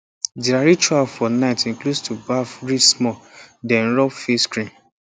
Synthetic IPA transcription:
diɾaɾit͡ʃualfɔnaɪtĩnklostʰubafɹismɔdɛ̃nɹɔbfeskɹĩn

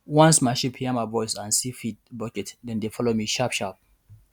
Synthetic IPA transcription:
wãnsmaɪʃipʰhiɛmaɪvɔɪsãnsifid̚bɔd͡ʒɛtdɛ̃ndefɔlomiʃapʃap̚

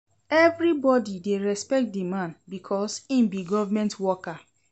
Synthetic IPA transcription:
ɛvɹibɔdideɹɛspɛk̚t̚dimãnbikʰɔsĩmbiɡɔvamɛ̃ntwɔka

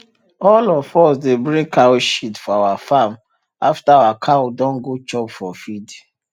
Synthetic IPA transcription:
ɔlɔfɔsdebɹĩŋkʰaoʃitfɔawafam | aftaawakʰawdɔ̃nɡot͡ʃɔbfɔfid

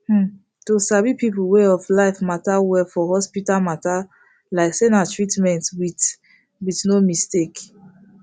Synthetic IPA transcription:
h̩ | tusavipipulweɔflaɪfmatawɛfɔhɔspitalmata | laɪksɛnatɹitmɛ̃ntwit | witnomistek

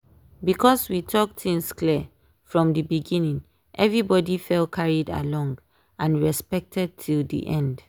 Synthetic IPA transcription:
bikʰɔswitʰɔk̚tʰĩŋskli | fɹɔ̃mdəbiɡĩnĩŋ | ʔɛvɹibɔdifɛlkʰaɹida̰lɔ̃ŋɡ | ãnɹɛspɛk̚tʰɛd̚tʰildḭʔɛ̃nd

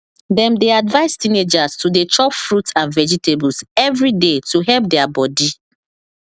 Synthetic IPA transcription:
dɛ̃mdeadvaɪstined͡ʒastudet͡ʃɔpfɹutãnvɛd͡ʒiteblsɛvɹidetuɦɛlp̚dɛabɔdi

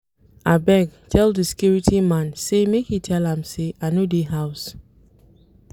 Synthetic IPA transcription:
ʔabɛɡtʰɛlˠðəsi̥kjuɹitʰimãnsemekhitʰɛlãmseʔanodeɦaʊs

